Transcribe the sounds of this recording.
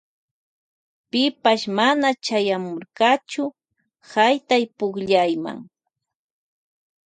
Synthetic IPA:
pɪpaʃmanat͡ʃajamʊɾɢɑt͡ʃʊ | hajt̪ajpʊχʎajma̰ŋ

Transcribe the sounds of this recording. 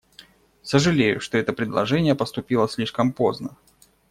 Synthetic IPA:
səʐɨlʲejʊ̰ʂt̪o̞ɛt̪əpɾʲɪd̪lˠɐ̰ʐɛnʲɪjəpəst̪ʊpʲilˠəsʲlʲiʂkəmpoznə

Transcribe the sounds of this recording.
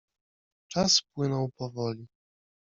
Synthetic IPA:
t͡ʂaspwɘnɔwpɔvɔlʲi

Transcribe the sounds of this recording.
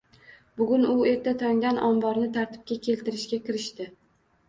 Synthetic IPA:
bʊɡʲʊnʊe̞ɾt̪ʰat̪ʰɒŋd̪ʲanɒmbɒɾnɪt̪ʰaɾt̪ʰɪ̥p̚kʲakʲʰe̞lt̪ɪɾɪʃkʲakʲɪɾɪʃt̪ɪ

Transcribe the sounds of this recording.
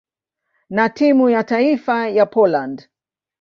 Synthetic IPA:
natimujataifajapɔland

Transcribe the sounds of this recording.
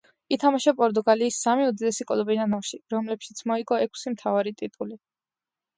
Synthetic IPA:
it̪ʰamaʃapʼɔɾt̪ʼuɡaliːsːamiud̪id̪ɛsikʼɔlˠɔbinanafʃiɾɔmlɛpʃit̪sʰmɔiɡɔɛkʰsimt̪ʰavaɾit̪ʼit̪ʼuli

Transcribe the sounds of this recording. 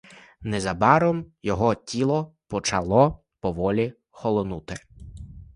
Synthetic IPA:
nɛzɐbɑɾɔmjɔɦɔtʲilˠɔpɔt͡ʃɐlˠɔ | pɔʋɔlʲi | xɔlˠɔnut̪ɪ

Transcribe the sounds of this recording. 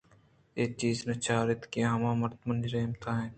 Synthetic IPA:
eːk̚t͡ʃiːznɐt͡ʃaːɾɪt̪keɦɐmãːmɐɾt̪mənd͡ʒɾeːmt̪ʰaːɦɛ̃ː

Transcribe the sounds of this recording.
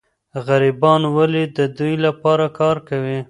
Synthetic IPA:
ɣaɾibɑnwalid̪əd̪ujlapɑɾakɑɾkawi

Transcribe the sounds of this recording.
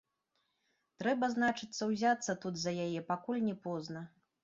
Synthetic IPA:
t̪ɾɛbɐznat͡ʂɨt̪sːɐwzʲat̪sːɐt̪ud̪zɐjajɛpakulʲnʲɛpɔznɐ

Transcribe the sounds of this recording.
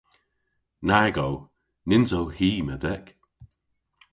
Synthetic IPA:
naɡow | nɪnzowhiːməd̪ɛk

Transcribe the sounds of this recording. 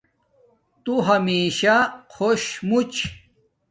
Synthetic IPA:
t̪uɦɐmiːɕakʰoɕmut͡ɕ

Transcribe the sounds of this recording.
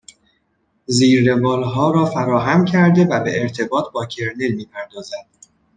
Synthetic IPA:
ziːɾːe̞vɒːlɦɒːɾɒːfæɾɒːɦæmcʰæɾd̪e̞væbe̞ːɾt̪ʰe̞bɒːt̪ʰbɒːcʰe̞ɾne̞lmiːpʰæɾd̪ɒːzæd̪̥

